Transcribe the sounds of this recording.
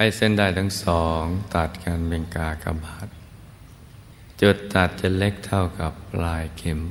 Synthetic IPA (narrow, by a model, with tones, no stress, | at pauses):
pa˧˩jse˥˩˨ndaː˧˩jt̪ʰa˦˥˧ŋsɔː˩˦ŋt̪a˨˩t̪̚ka˧nme˧ŋkaː˧ka̰˧mhaː˨˩t̪̚ | t͡ɕo˨˩t̪ːa˨˩t̪̚t͡ɕa˧˩le˦˥k̚t̪ʰa˥˩wka˨˩p̚laː˧jkʰe˩˦m